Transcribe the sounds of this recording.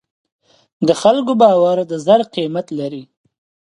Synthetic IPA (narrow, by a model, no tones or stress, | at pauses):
d̪əxalkobɑwaɾd̪əzaɾqimat̪laɾi